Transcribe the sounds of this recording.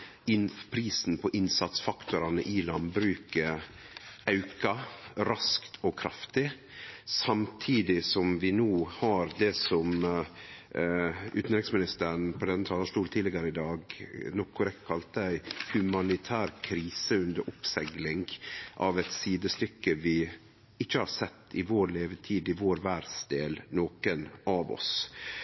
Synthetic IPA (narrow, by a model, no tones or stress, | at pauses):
ɪnpʰɾiːsn̩pʰɔʔɪnsɑt̪sfɑkt̪ʊɾɑnə̰ʔɪlɑnbɾʉːkə | ɑʉkɑɾɑskt̪ʰɔkʰɾɑft̪ɪ | sɑmt̪ʰiːd̪ɪsɔmʋɪnoːhɑɾd̪ɛsɔm | ʉ̰ːt̪n̩ɾɪksmɪnɪst̪əɾɳpʰɔd̪ɛnːət̪ʰɑːlɑʂtuːlt̪ʰiːlɪɡəɾəɪd̪ɑːɡnɔkʰːʊɾɛk̪kʰɑlt̪əæɪhʉmɑnɪt̪ʰæːɾkʰɾiːsəʉnd̪əɾʔʊpsɛɡlɪŋʔɑ̰ʋɛɪt̪siːd̪əst̪ʏkːəʋɪ | ɪçːəhɑɾsɛt̪ʰːɪʋoːɾleːʋət̪ʰiːd̪ɪʋoːɾʋæɾsd̪eːlnoːkənɑʋɔ̰s